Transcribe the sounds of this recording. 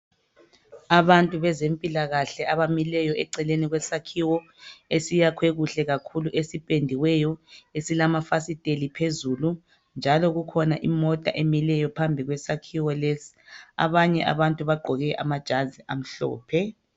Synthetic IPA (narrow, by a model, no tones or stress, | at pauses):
aβantʼuβɛzempʼilaɣaɬɛaβamilɛjɔʔɛǀɛleniɣwɛsakʰiwɔ | esijakʰweɣuɬɛɣakʰuluʔesipʼendʱiwɛjɔesilamafasitʼelipʰezulu | nd͡ʒʱalɔɣukʰɔnaʔimɔtʼa̰ʔemilɛjɔpʰambʱiɣwɛsakʰiwɔlesi̥a̰βaɲɛʔa̰βantʼuβaɡ͡ǃʱɔɣɛʔa̰mad̥ʒ̥ʱaziʔam̩ɬɔ̰ːpʰɛ